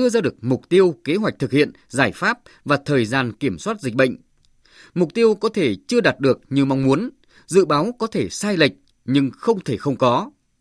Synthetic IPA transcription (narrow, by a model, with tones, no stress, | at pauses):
ɨ˧əzaː˧ɗɨ˨˩ək̚mʊ˨˩k͡p̚t̪i˧əwke˨˦ɦwa˨˩k̟̚t̪ʰɨ˨˩k̚hḭ˧˨ənzaː˧˩jfaː˦˥p̚ | vaː˨˩t̪ʰəː˨˩jzaː˧nki˧˩əmswaː˦˥t̚zi˨˩k̟̚ɓə̰˧˨ŋ̟ | mʊ˨˩k͡p̚t̪i˧əwkɔ˨˦t̪ʰe˧˩t͡ɕɨ˧əɗaː˨˩t̚ɗɨ˨˩ək̚ɲi˧˨˩ma˧wŋ͡mmu˨˦ən | zɨ̰˧˨ɓaː˨˦wkɔ˨˦t̪ʰe˧˩saː˧jlə˨˩k̟̚ | ɲɨ˧ŋxə˧wŋ͡mt̪ʰe˧˩xə˧wŋ͡mkɔ˨˦